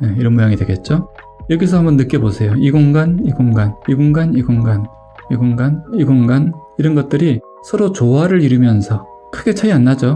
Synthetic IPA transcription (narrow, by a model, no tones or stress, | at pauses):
jeiɾʌnmojaŋidwe̞ɡe̞t̚t͡ɕ͈o | jʌɡisʰʌambʌnːɯk͈jʌbosʰe̞joiɡoŋɡaniɡoŋɡaniɡoŋɡaniɡoŋɡan | iɡoŋɡaniɡoŋɡan | iɾʌnɡʌt̚t͈ɯɾi | sʰʌɾot͡ɕoaɾɯɾiɾɯmjʌnsʰʌ | kʰɯɡe̞t͡ɕʰaianːad͡ʑo